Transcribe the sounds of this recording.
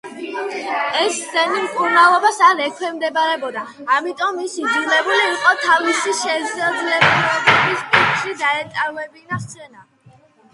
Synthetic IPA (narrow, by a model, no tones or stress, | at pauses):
ɛszɛnimkʼuɾnalˠɔbasaɾɛkʰwɛmd̪ɛbaɾɛbɔd̪aː | mit̪ʼɔmːisid̪zulɛbuliːqʼɔt̪ʰavisiʃɛd̪zad̪zlɛblɛbɛbispʼit̪ʃid̪aɛt̪ʼaɾvɛbinat̪sʰɛna